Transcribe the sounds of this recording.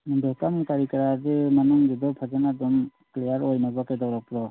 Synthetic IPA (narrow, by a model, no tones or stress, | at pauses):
mdɔkamkaɾikɾademanuŋɡid̪ɔpʰad͡ʒanadɔmklejaɾɔjnabakajdawɾɔpɾɔ